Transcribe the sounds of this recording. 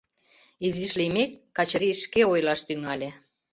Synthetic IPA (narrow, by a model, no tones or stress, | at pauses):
iziʃlimekːɑt͡ɕɾiʃkeojlɑʃt̪yŋɑlʲe